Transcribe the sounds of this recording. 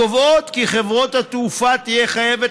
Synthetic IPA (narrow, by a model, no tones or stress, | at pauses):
ovo̞t̪kiχe̞vʁo̞t̪hat̪ufat̪ije̞χaje̞ve